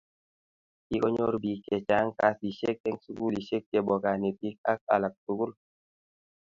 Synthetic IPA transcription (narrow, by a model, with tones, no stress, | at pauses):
ki˦kɔ˦ɲo˦ɾbi˨kɛ˨t͡ʃa˦ŋka˦si˨ʃe˦k̚ɛ˦ŋsu˦ku˦li˨ʃe˦k̚t͡ʃɛ˨bɔ˨ka˨ni˨pi˦k̚a˦k̚a̰˨la˨k̚tu˨ku˦l